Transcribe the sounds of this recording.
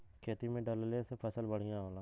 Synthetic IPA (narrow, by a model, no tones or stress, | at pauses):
kʰeːt̪imẽɖəllesepʰəsəlbəɽ̤ijãɦoːlaː